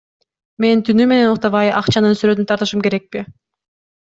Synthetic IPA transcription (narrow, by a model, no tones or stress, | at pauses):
me̞nt̪ʰynyme̞ne̞nuqt̪ɑβɑjɑqt͡ʃɑnɯnsyɾøt̪ynt̪ʰɑɾt̪ɯʃɯmke̞ɾe̞k̚pi